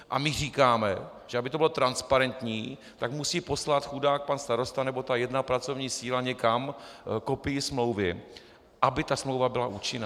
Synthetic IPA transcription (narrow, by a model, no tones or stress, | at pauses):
ʔa̰mɪr̝iːkaːmɛ̰ | ʒ̥ɛʔabɪt̪obɪlot̪ɾanspaɾɛnt̪ɲiː | t̪akmusiːpo̞slat̪xudaːk̚panst̪aɾo̞st̪anɛbo̞t̪ajɛdnapɾat͡so̞vɲiːsiːlaɲɛkamkopɪjɪsmlo̞wvɪ | ʔabɪt̪asmlo̞wvabɪlaʔuːt͡ʃɪna